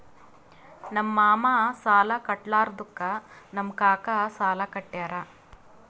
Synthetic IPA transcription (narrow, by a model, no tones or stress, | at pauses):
nɐmːaːmasaːlɐkɐʈlaːɾd̪ukːɐnɐmkaːkɐsaːlɐkɐʈːjaːɾa